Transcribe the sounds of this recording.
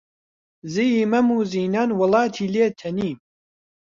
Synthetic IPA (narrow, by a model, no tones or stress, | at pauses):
zijimɐmuːziːnaːnwɨlɑːt̪ʰiːleːt̪ʰɐniːm